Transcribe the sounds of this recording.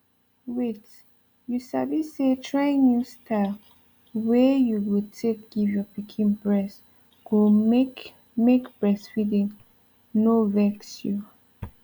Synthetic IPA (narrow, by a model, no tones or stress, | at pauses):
wit | jusavisetʰɹaĩŋnjustʰa | wɛjuwitʰekɡ̥ivjɔpikʰĩnpɹɛs | ɡ̥oek | mekbɹɛsfidĩŋ | novɛksju